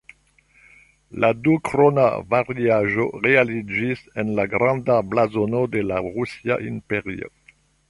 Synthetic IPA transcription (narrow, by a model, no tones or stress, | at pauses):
ladukɾona̰vaʁiaʒoʁealid͡ʒisenlaɡɾandablazonode̞laʁusia̰ʔimpeʁio̰